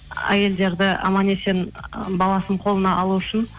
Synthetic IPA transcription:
æ̰je̞ld̪e̞ɾd̪ɪɑ̰mɑne̞se̞nbɑlˠɑsəɴqʰo̞lˠənɑʔɑlˠuʏʃɪn

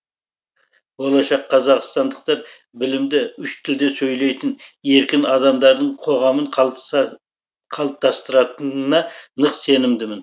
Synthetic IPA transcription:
wo̞lˠɑʃɑqʰːɑzɑqst̪ɑnd̪əq̚t̪ɑɾ | bɪlɪmd̪ɪʏʃt̪ʰɪld̪e̞sɵjle̞jt̪ɪne̞ɾkʲɪnɑd̪ɑmd̪ɑɾd̪əɴqʰo̞ʁɑməɴʰˠ | qʰɑlˠəp̚t̪ʰɑst̪əɾɑt̪ənnɑnəqse̞nɪmd̪ɪmɪn

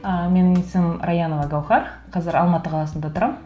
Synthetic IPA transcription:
əmenɪŋesɪmɾajɑnovɑɡɑwχɑɾ | qʰɑzɪɾɑlˠmɑt̪əqʰɑlˠɑsənd̪at̪ʰʊɾɑm

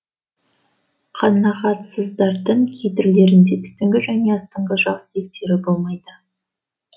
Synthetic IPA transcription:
qʰɑnɑʁɑt̪səzd̪ɑɾd̪əɴkʲʰejt̪ɪɾle̞ɾɪnd̪e̞t̪ʰʏst̪ɪŋɡʲɪʒæne̞ɑst̪ɑɴʁəʒɑqsəe̞k̚t̪e̞ɾɪbolˠmɑjd̪ə

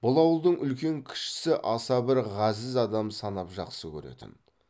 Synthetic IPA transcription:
b̥ʊlˠɑwəlˠd̪əɴʔʏlkʲe̞ŋkʲʰɪ̥ʃɪ̥sɪʔɑsɑbɪɾʁɑzɪzɑd̪ɑmsɑnɑpʒɑqsəkʲʰɵ̰ɾe̞̰t̪ɪ̰n

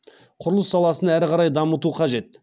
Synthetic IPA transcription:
qʰʊɾlˠəsːɑlˠɑsənæɾɪqʰɑɾɑjd̪ɑmət̪uqʰɑʒe̞t̪

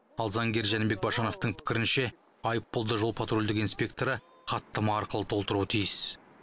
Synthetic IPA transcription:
ɑlˠzɑŋɡʲe̞ɾʒænɪbe̞k̚bɑʃɑno̞ft̪əɴpʰɪ̥kʲɪɾɪnʃe̞ | ɑjəpːolˠd̪əʒo̞lˠpʰat̪ɾolʲd̪ɪkinspʲe̞k̚t̪oɾə | qʰɑt̪ːəmɑːɾqəlˠət̪ʰolˠt̪əɾuwət̪ʰijɪs

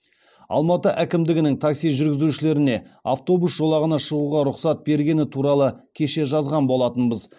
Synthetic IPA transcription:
ɑ̰lˠmɑt̪əʔækʲɪmd̪ɪɡʲɪnɪŋt̪ʰaksijʒʏɾɡʲɪzuʃɪle̞ɾɪne̞a̰ft̪o̞busʒ̥o̞lˠɑʁənɑʃəʁuʁɑɾʊqsɑt̪̚be̞ɾɡʲe̞nɪt̪ʰuɾɑlˠəkʲʰe̞ʃe̞ʒɑzʁɑnbo̞lˠɑt̪ənbəz

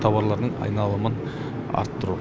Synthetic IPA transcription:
t̪ʰɑwɑɾlˠɑɾd̪əɴɑ̰jnɑlˠəmən | ɑ̰ɾt̪ːəɾu

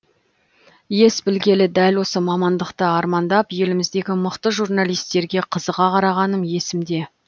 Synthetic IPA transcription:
je̞sbɪlɡʲe̞lɪd̪ælwo̞səmɑmɑnd̪əqt̪əɑɾmɑnd̪ɑpje̞lɪmɪzd̪e̞ɡʲɪmʊqt̪əʒurnɑlˠijst̪e̞ɾɡʲe̞qʰəzəʁɑqʰɑɾɑʁɑnəmje̞sɪmd̪e̞

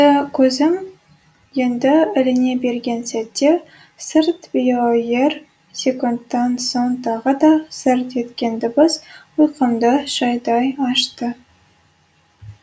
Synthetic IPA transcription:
əkʲʰɵzɪm | je̞nd̪ɪɪlɪne̞be̞ɾɡʲe̞nsæt̪ːe̞ | səɾt̪bijoje̞r | sʲe̞kunt̪ːɑnso̞ɴt̪ʰɑʁəd̪ɑsɪɾt̪e̞t̪kʲe̞nd̪ɪbɪz | ujqəmd̪əʒ̥ɑjd̪ɑjɑʃt̪ə

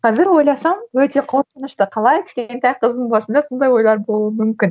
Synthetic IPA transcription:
qʰɑzɪɾwo̞jlˠɑsɑmwɵt̪e̞qʰosənəʃt̪əqʰɑlˠɑjkʲʰɪ̥ʃkʲent̪æjqʰəzd̪əɴbɑsənd̪ɑso̞nd̪ɑjwo̞jlˠɑɾbo̞lˠuəmʏmkʲɪn

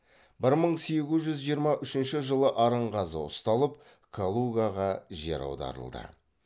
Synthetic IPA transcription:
bɪɾməɴse̞ɡʲɪzʒʏzʒijəɾmɑʔʏʃɪnʃɪʒəlˠəʔɑɾəɴʁɑzəʊ̰st̪ɑlˠəp | kʰolˠuɡaʁɑʒḛɾɑ̰wd̪ɑ̰ɾə̰lˠd̪ə̰

